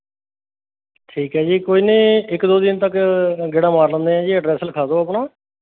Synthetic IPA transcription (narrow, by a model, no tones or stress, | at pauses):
ʈʰiːkɦɛːd͡ʒiːkoːiːnẽːɪkd̪oːd̪ɪnt̪əkɡeːɽãːmaːɾlə̃ːnd̪eːɦɛ̃ːd͡ʒiːəɖɾɛːsləkʰaːd̪oːaːpɳaː